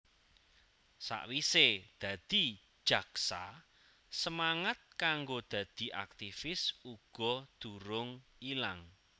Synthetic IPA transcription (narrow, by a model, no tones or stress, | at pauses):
sa̰ʔwised̪̥ä̤d̪̥i̤d̥ʒ̥ä̤ksa | səmaŋat̪̚kaŋɡod̪̥ä̤d̪̥i̤ʔa̰k̚t̪ifɪsuɡ̥ɔ̤d̪̥uɾʊŋilaŋ